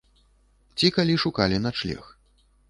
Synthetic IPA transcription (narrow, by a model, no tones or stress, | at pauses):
t͡sʲikalʲiʂukalʲinat͡ʂlʲɛ̰x